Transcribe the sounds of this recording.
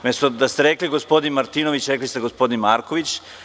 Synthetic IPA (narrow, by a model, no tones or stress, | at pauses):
mest̪od̪ast̪eɾekliɡospo̞d̪inmaɾt̪inoʋit͡ɕɾeklist̪eɡo̞spo̞d̪inmaːɾkoʋit͡ɕ